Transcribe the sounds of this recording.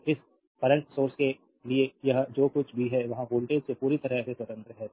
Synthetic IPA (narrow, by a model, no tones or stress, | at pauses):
ɪs | kɐɾə̃ɳʈsoːɾske | liejɐɦd͡ʒoːkʊt͡ʃʰbʱiɦɛʋɐɦãboːlʈeːd͡ʒsepuːɾit̪ɐɾaseswɐt̪ə̃nt̪ɾəɦɛː